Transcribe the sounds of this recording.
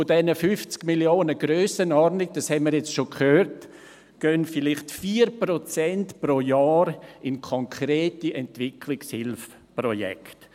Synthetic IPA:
fʊdɛnəfyft͡skmiljoːnəɡ̥ɾøːsənɔɾnɪɡ̚d̥ɑshɛnmiɾjɛt͡stʃokʰhøːɾt | ɡ̥œnfɪlɪχtfiːɾprot͡sɛntpɾojaːɾɪnkʰɔŋkʰɾeːtiʔɛntvɪkʰlɪkshɪlf | prɔjɛ̰kt

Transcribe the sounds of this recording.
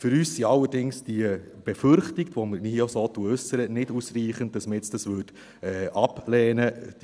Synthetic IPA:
fəɾyːsːiɑlːəɾdɪŋsd̥iə | b̥efʏɾχtiktʋomənihosoːtuəʉsəɾənɪdusriːχənt̚d̥ɑsməɛt͡sd̥ɑsʋøːd | ɛːʔɑplɛːnə

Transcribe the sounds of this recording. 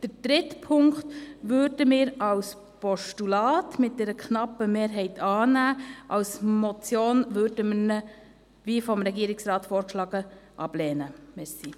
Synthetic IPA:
d̥əɾd̥ɾɪtpʰʊŋktʋøɾdəmɪːɾɑws | pɔʃtulɑːtmɪt̚d̥ɛɾəkʰnɑpːəmeːɾɦɛɪtʰɑːnæːʔɑwsmɔt͡sjoːnʋøɾdəmənə | ʋiːfɔmɾɛɡiːəɾɪksɾɑːtfoːɾkʃlɑːɡəʔɑb̥lɛːnəmɛsi

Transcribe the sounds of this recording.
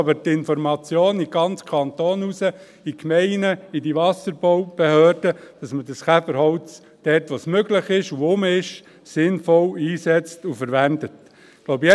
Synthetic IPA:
ɑbəɾtɪnfɔɾmɑt͡sjoːniɡ̥ɑnt͡skʰɑnt̪oːnusə | ikmɛɪnəidiʋɑsəɾb̥ɔwb̥ehøːrd̥əd̥ɑsmədɑsχæfəɾɦhɔwt͡s | d̥ɛːtʋosmøɡlɪχɪʃuʊmɪʃ | sɪnfɔliːsɛt͡stufəɾʋændət | lobjɛ

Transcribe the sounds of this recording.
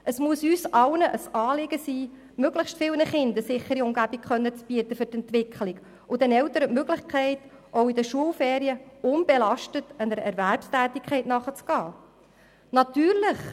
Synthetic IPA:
ʔəsmuəsyːsɑlnəʔəsɑːlɪɡəsiː | møɡləχʃtfɪlnəχɪndəsɪχːəɾiʊmɡæbikχœnːət͡sb̥iətəfʏtɛntʋɪkχlɪɡ | ʊd̪ɛnɛltəɾətmøɡlɪχkχɛɪt | ʔowidəʃuəlfɛːɾiəʊnb̥ɛlɑʃtətənəɾəʔɛɾværpstæːtɪkʰχɛɪtnɑχət͡sɡ̥ɑː | nɑt̪yːɾlɪχ

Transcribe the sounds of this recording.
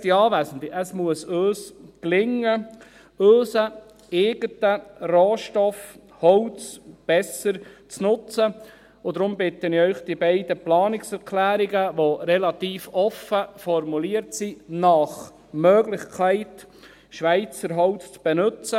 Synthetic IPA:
tiɑːʋæːsənt̪iʔəsmuəsøːsklɪŋːə | øːsə | eːɡ̥ətəroːʃtɔf | hɔlt͡sb̥ɛsəɾt͡snʊt͡sə | odɾʊmbɪt̪ːənɪœʏχd̥ibæɪd̥əplɑːnɪksɛɾkʰlæːɾiɡəʋoɾɛlɑt̪iːfɔfəfɔrmuliːəɾtsinɑχ | møːɡlɪχkʰæɪt | ʃʋæɪt͡səɾɦɔʊt͡st͡sb̥ɛnɵt͡sə

